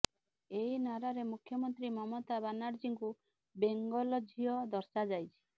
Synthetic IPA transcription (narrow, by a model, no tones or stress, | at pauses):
einaɾaɾemukʰjɔmɔnt̪ɾimɔmot̪abanaɾd͡ʒiŋku | beŋɡɔlɔd͡ʒʱiɔd̪ɔɾsad͡ʒajt͡ʃʰi̥